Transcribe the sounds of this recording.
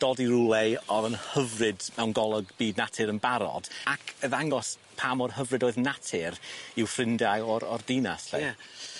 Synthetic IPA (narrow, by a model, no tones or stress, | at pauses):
d̥ɔdiɾulˠɛɔðənhəvrɨdmɛwnɡɔlˠɔɡb̥iːdnatʰɨɾənbaɾɔ̰d̥akʰəðaŋɔs | pʰaːmɔrhəvrɨdoːɨðnatʰɪɾɪwfrɪndajɔɾɔ̰rdina̰sɬḛ